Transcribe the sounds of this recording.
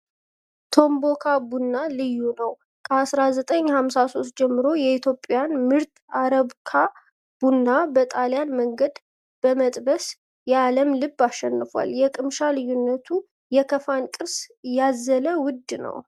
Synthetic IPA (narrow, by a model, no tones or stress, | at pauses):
t̪ʰo̞mbo̞kʰabunːalɨjːunəw | kʰəasɾazət̪ʼəɲːhamsaso̞st̪̚d͡ʒɛmːɨɾo̞jɛit̪ʰjopʼːjanmɨɾt̪aɾəβkʰa | b̥unːabət̪ʼaljanməŋɡəd̪ | b̥əmət̪ʼbəs | jɛaləmlɨbːaʃːɛnːɨfa̰ljɛkʼɨmʃalɨjːunːət̪ʰu | jɛkʰəfankʼɨɾsjazːələwʊd̪nə̰w